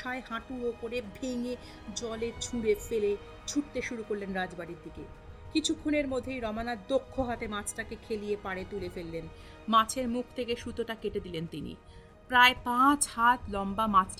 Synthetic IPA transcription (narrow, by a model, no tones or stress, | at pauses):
ʃaeɦãʈuɾopoɾebʱeŋe | d͡ʑɔlet͡ɕʰuɽefele | t͡ɕʰuʈt̪eʃuɾukoɾlenɾad͡ʑbaɾiɾd̪ike | kit͡ɕʰukʰːoneɾmod̪ʱːejɾɔmanaɾd̪okʰːoɦat̪emat͡ɕʰʈakekʰelijepaɽet̪ulefelːen | mãt͡ɕʰeɾmuk̚ʰt̪ʰekeʃut̪oʈakeʈed̪ilent̪inḭ | pɾaepãt͡ɕhat̪lɔmbamat͡ɕʰʈ